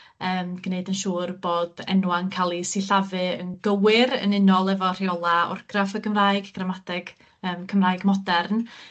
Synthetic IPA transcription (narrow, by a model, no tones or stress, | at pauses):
əːmɡ̥neɨdənʃuːrboːdɛ̰nwankʰalˠisiɬavɨənɡəwɪɾə̰nɪnɔlˠɛvɔr̥iɔlˠaɔ̰rɡ̥rafəkəmraːɨɡɡ̥ramadɛɡ̥ | əːmkʰəmraːɨɡmɔdɛrn